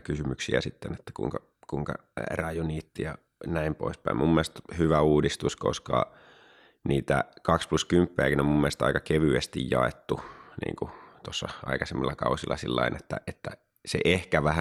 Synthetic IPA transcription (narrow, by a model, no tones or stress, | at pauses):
kysymyksiæ̰sit̪ːenet̪ːæ̥kṵiŋkɑ | kuiŋkɑ̰ | rɑjuniːt̪ːijɑ | næimpo̰ispæimʔumːielest̪hyʋæuːdist̪usko̰skɑ̰ | niːt̪æ̰kɑkspluskympːeækinommumːelest̪ɑ̰ikɑkeʋyest̪ijjɑet̪ːunḭːŋkut̪osːɑɑ̰ikɑsemːilːɑkɑusilːɑsilːɑinʔet̪ːæʔet̪ːæ | sḛʔehkæʋæhæ